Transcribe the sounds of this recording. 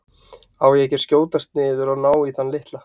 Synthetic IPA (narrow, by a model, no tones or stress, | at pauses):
awjɛcɛɾ̥scoːwt̪ast̪nɪːðʏɾawnaːwiθanlɪht̪la